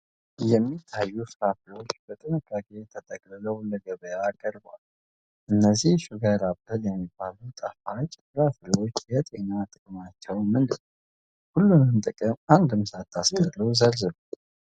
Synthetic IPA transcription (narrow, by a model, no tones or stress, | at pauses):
jɛmːit̪ʰːajːufɨɾafɨlwot͡ʃːb̥ət̪ʼɨnɨkʼːakʼe̞t̪ʰət̪ʼəkʼlɨləwlːəɡəβəjakʰʼəɾbwal | ʔɨnːəzːihʃuɡəɾabɨljɛmːibːalut̪ʼəfat͡ʃːfɨɾafɨlwot͡ʃːjɛt̪ʼe̞nat̪ʼɨkʼɨmat͡ʃːɛwmɨnd̪ɨn | hulːunɨnt̪ʼɨkʼɨmand̪ɨmsat̪ʰːaskəɾləwzəlzɨlu